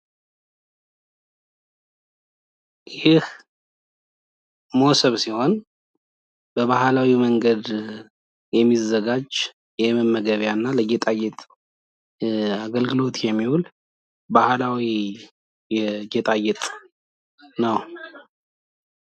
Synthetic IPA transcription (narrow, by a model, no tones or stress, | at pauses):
jɪh | mosəβsiho̞n | b̥əβahlawiməŋɡəd̪ | jɛmːizːəɡad͡ʒ | jɛməmːəɡəβjanːaləɡɛt̪ʼajɛt̪ʼ | aɡəlɡɨlo̞t̪jɛmːihul | bahlawi | jɛɡɛt̪ʼajɛt̪ʼ | nəw